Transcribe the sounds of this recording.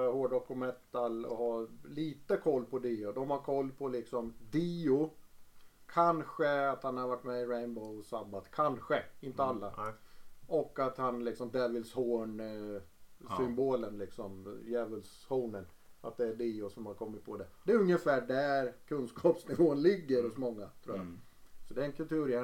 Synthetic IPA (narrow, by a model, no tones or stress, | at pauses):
hoːɖɔkʊmɛt̪ːalɔ̰haliːt̪əkʰɔlːpʰɔd̪iːʊd̪ɔmhaɾkʰɔlːpʰɔlɪksɔmd̪iːʊ | kʰanɧəat̪hanhaɾvaʈːmɛɪɾɛɪnbɔʊsabːat̪kʰanɧəɪnt̪əalːa | ʔɔkːat̪hanlɪksɔmd̪ɛvɪlshoːɳ | sʏmboːlənlɪksɔmjɛːvəlshoːnən | at̪̚d̪ɛæɖiːʊsɔmhaɾkʰɔmːɪt̪̚pʰɔd̪ɛd̪ɛːɾɵŋjəfæːɖæɾkʰɵnskʰɑːpsnɪvoːənlɪɡːəɾɔsmɔŋːat̪ʰɾṵːja̰ | sɔd̪ɛɛnkʰɵlt̪ʰʉ̟ːɾɛ